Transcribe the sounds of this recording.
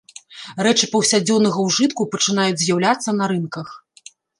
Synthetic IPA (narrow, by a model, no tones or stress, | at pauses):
rɛt͡ʂɨpɐwsʲad͡zʲɔnɐɣɐwʐɨt̪kupɐt͡ʂɨn̪ajud͡zʲzʲjawlʲat̪sːɐnɐɾɨnkɐx